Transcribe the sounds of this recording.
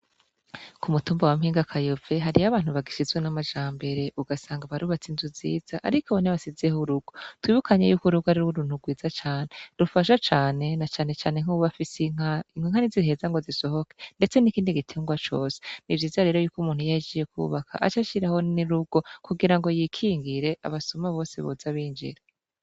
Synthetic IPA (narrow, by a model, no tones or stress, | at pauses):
kumutuːmbawamhiːŋɡakʰajove̞ɦaɾijaβaːn̥huβaɡiʃizwenamaʒaːmbe̞ɾe̞ʔuɡasaːŋɡaβaɾuːβat͡sinzuziːz̥aʔaɾikoβoniβasizehuɾuɡ̥otwiːβukaɲejuːkuɾuɡhaɾiɾuwoɾun̥uɡwiːzat͡ʃaːne̞ɾufaʃat͡ʃaːne̞nat͡ʃaːne̞t͡ʃaːne̞ŋ̥uβafisiiŋwiŋhanizihe̞ːzaŋɡo̞ziso̞ɦo̞kende̞t͡se̞nikiːndiɡitʰeŋɡwat͡ʃo̞ːsenivjiːzaɾe̞ːɾo̞juːkumuːn̥hujaid͡ʒijekʰṵβakʰa̰ʔa̰t͡ʃaʃiɾaho̞niɾuɡ̥o̞kuɡiɾaŋɡo̞jikʰiːŋɡiɾe̞ʔa̰βasumaβo̞ːsḛβozaβiːɲd͡ʒḭɾe